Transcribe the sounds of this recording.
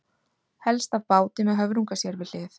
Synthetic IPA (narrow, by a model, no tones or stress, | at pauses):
hɛlst̪avpaːwt̪ɪmɛðɦœvɾuŋkasjɛɾvɪlɪːθ